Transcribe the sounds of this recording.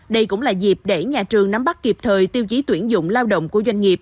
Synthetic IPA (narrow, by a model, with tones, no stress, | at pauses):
ɗə˧jkʊ̰˧˥ŋ͡mlaː˨˩zi˨˩p̚ɗe˧˩ɲaː˨˩t͡ɕɨ˨˩əŋna˨˦mɓa˦˥k̚ki˨˩p̚t̪ʰəː˨˩jt̪i˧wt͡ɕi˨˦t̪wi˧˩ənzʊ̰˧˨ŋ͡mlaː˧wɗə̰˧˨wŋ͡mku˧˩əzwa˧jŋ̟ŋi˨˩əp̚